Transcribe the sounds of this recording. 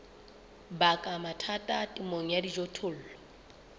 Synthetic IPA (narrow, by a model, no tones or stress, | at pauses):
bakʼamatʰatʼatʼimoŋ̩jadid͡ʒɔtʰʊl̩ːlɔ